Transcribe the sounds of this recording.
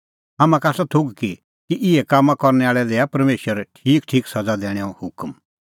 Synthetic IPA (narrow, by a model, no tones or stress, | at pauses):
ɦamãkaːsɔt̪ʰʊɡki | kiʔɪɛkamːãkɔɾnɛaːɭɛd̪eːapɐɾmeːʃəɾɛʈʰiːkʈʰiːksɐd͡zad̪ɛːɽ̃ɛaɔ̃hʊkm